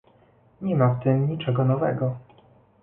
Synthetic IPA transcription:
ɲɛmaft̪ɘmɲit͡ʂɛɡɔnɔvɛɡɔ

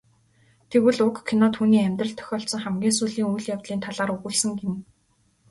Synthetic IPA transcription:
t̪ʰeɣɘ̆ɮʊkkʰːinɔːt̪ʰuːniːæmʲt̪rə̆ɬt̪ʰœ̥xʲɔːɬsɞ̆ŋχæmɡʲiːnsuːɮiːŋujɮjawt̪ɮiːnt̪ʰaɮaːɾɵɣŭɮsɘ̆ŋɡem

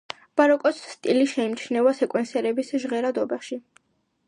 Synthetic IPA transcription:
b̥aɾɔkʼɔt̪sːt̪ʼiliʃɛimt͡ʃʰnɛvasɛkʼwɛnsɛɾɛbisʒʁɛɾad̪ɔbɛχʃi

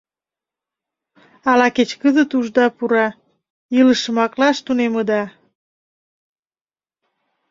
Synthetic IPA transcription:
ɑlɑket͡ɕkəzət̪uʒd̪ɑpuɾɑ | jələʃəmɑklɑʃt̪uneməd̪ɑ

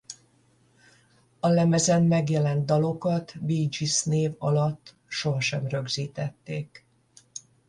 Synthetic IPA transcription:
ɒlɛmɛzɛnmɛɡjɛlɛnt̪̚d̪ɒlo̞kɒt̪biːd͡ʒisneːvɒ̰lɒt̪ː | ʃo̞ɦɒʃɛmrø̞ɡziːt̪ɛt̪ːeːk

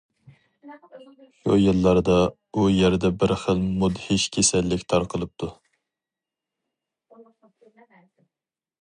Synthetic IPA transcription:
ʃujɨlˠːɑɾd̪ɑ | ujɛɾd̪ɛbɪɾχəlmud̪hɪʃkʲʰesɛlːɪkʲt̪ʰɑɾqʰəlˠɨp̚t̪ʰu

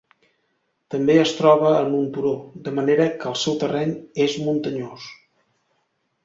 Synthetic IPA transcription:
t̪əmbeəst̪ɾɔβ̞əːnunt̪uɾod̪əməneɾəkəːlˠsɛwt̪ərɛɲezmunt̪əɲos

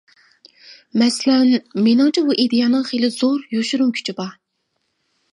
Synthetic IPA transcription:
mɛslɛnmenɨŋt͡ʃʰibuʔed̪ejɑnɨŋχelɪzoɾjoʃyɾuŋkʲʰy̥t͡ʃʰibɑ

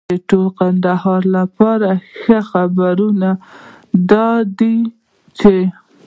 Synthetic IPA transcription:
əʈolqand̪ahɑɾlapɑɾaxəxabaɾuna | d̪ɑd̪i | t͡ʃe

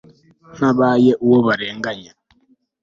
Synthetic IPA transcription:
nabajɛʔuwɔβaɾɛŋɡaɲa

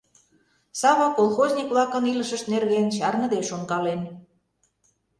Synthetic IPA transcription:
sɑβɑkolˠxozʲnʲikβlɑkə̆niləʃə̆ʃt̪nerɣent͡ɕɑrŋə̆d̪eʃoŋkɑlen

